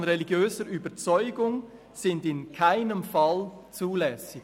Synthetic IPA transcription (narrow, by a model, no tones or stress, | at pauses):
nʁeliɡjøːzəɾyːbət͡sɔʏɡʊŋ | z̥ɪndɪnkʰaɪnəmfɑlt͡suːlɛsɪ̥